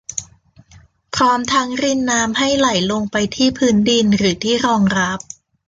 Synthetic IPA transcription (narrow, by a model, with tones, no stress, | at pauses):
pʰɾɔː˦˥mt̪ʰa˦˥ŋɾi˥˩nːaː˦˥mha˥˩jla˨˩˦jlo˧ŋpa˧jt̪ʰiː˥˩pʰɯː˦˥ndi˧nɾɯː˩˦t̪ʰiː˥˩ɾɔː˧ŋɾa˦˥p̚